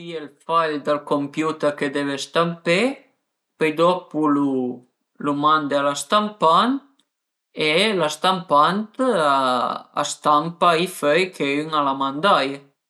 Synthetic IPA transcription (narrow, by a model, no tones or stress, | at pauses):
ielfaʎd̪alkompjut̪əɾked̪eβest̪ampe | pejd̪ɔpulu | lumand̪ealast̪ampant̪ | elast̪ampant̪aa̰st̪ampaifœjkʰeyŋalamand̪aj